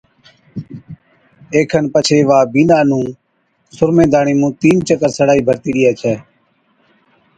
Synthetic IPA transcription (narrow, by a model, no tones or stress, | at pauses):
eːkʰənpət͡ʃʰeːʋaːbiːnaːnũː | sʊɾmẽːd̪aːɳiːmũːt̪iːnt͡ʃəkəɾsəɽaːiːbʱəɾt̪iːɗɪjaːt͡ʃʰɛː